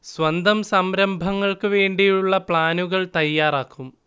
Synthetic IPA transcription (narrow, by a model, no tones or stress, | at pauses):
sʋɐnd̪ɐmsɐmɾɐmbʱɐŋːɐɭkɨʋe̞ːɳɖijuɭːɐpɭaːnuɣɐɭt̪ɐjːaːraːkʰːum